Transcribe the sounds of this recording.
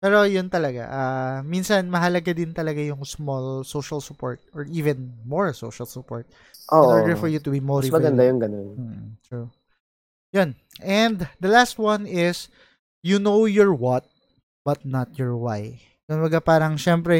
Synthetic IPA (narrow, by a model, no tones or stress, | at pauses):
pɛːɾo̞jʊnt̪ɐlɐɡa̰ʔaminsɐnmɐɦɐlɐɡad̪ɪnt̪ɐlɐɡajʊŋsmɔlsoʃɐlsʊpɔɹt̪̚ɔɹʔiːvɛnmɔɹsowʃɐlsʊpɔɹt̪̚ | ʔoʔɹɡfɔɹjut̪ʊbimɔɾimɐɡɐnd̪ajʊŋɡɐnonm̩ːt̪ɹu | jon | ʔɛnd̪d̪ɐlast̪wɐnɪs | junowjɔɹwɐt̪̚ | bɐt̪̚nɐt̪̚jɔɹwaj | jonwɐɡapaːɾɐŋʃɛmpɾɛ